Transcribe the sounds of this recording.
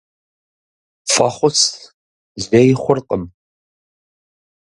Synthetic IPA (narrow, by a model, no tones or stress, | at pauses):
fɐχʷʊs | zejɪχʷʊrqʼəm